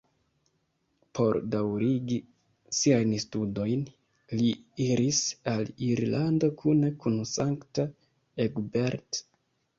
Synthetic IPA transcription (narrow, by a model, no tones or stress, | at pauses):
pʰo̞ɾdawɾiɡi | siajnstudo̞jn | liiɾisaliɾlʔando̞kʰunekunsaŋkta | eɡbeɾt